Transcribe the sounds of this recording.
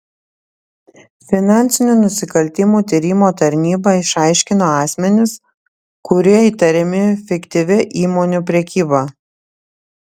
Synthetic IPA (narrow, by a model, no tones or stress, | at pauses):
fʲɪnɑˑnʲt̪sʲɪnʲuːˑnʊsʲɪkɐlʲt̪ʲɪmuːt̪ʲiːɾʲiːmoːt̪ɐɾʲnʲiːbɐɪʃɑˑɪʃʲkʲɪnoːɑːsʲmʲɛnʲɪs | kʊɾʲiɛiːt̪ɐɾʲɛmʲɪfʲɪkt̪ʲɪʋʲɪʔiːmoːnʲupʲɾʲɛkʲiːbɐ